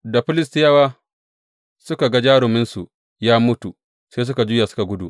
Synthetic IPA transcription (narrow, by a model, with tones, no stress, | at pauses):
da˨ɸɪ˦lɪ˦stɪ˦jɐ˦waː˦ | sʊ˦ka˨ɡa˦d͡ʒaː˦ɽʊ˨mɪ˦nsu˨ʔ | jaː˦mʊ˦tu˨ | seː˦s̬ʊ˦ka˨d͡ʒʊ˦jaː˨sʊ̥˦ka˨ɡʷʊ˦dṵ˨ʔ